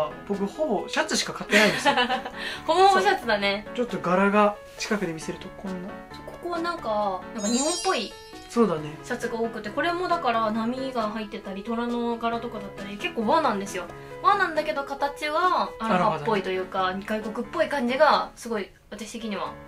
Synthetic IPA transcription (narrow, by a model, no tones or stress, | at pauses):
b̥okɯ̟ho̞bo̞ɕat͡sɨɕi̥kakat̪ːe̞naĩndes | ho̞boɕat͡sɨd̪ane̞t͡ɕo̞t̪ːo̞ɡaɾaɡa | t͡ɕi̥kakɯ̟d̪e̞mise̞ɾɯ̟t̪o̞kʰõ̞nːaso̞̥ko̥koβanãŋkanãŋkaɲ̟iɦõmpːo̞i | so̞ːd̪ane̞ɕat͡sɨɡaoːkɯ̟t̪ːe̞ko̞ɾe̞mo̞d̪akaɾanamʲiɡaɦait̪ːe̞t̪aɾʲit̪o̞ɾano̞ɡaɾat̪o̞kad̪at̪ːaɾʲike̞kːo̞ːβanãnd̪e̞sɨjo̞ | βanãnd̪ake̞d̪o̞kat̪at͡ɕiβaːɾaɾapːo̞it̪o̞jɯ̟ːkaɲɡaiko̞kɯ̟pːo̞ikãɲ̟d͡ʑiɡasɨɡo̞i | βat̪aɕi̥t̪e̞k̬ʲiɲ̟iβ̞a